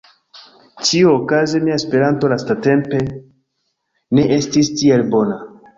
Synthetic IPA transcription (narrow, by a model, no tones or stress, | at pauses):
t͡ʃiookazemiaespe̞ɾanto̞lastate̞mpe̞ | ne̞ʔe̞stistie̞lbo̞na